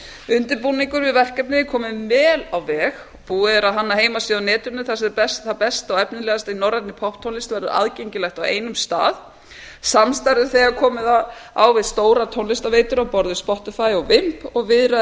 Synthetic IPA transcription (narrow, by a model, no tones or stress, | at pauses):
ʏnt̪ɪɾpuniŋkʏɾvɪðvɛr̥kɛp̚nɪkʰɔːmɪmɛːlawvɛːx | puːɪɛɾaðɦanːaɦeːjmasiːðawnɛːt̪ʏɾnʏθasɛpɛst̪θapɛst̪aɔɛpnɪlɛːɣast̪ainɔwɾat̪nɪpʰɔht̪ʰːownlɪst̪vɛɾðʏɾa̰ðcejɲcɪlɛxt̪awḛjnʏmst̪a̰ːð | samst̪ajɾðʏ̥θɛɣaɾkʰɔːmɪðaa̰wvɪðst̪oːwɾat̪ʰownlɪst̪aveːjt̪ʏɾawpɔɾðɪspɔht̪ɪfajɔɣvɪm̥pɔɣvɪðɾa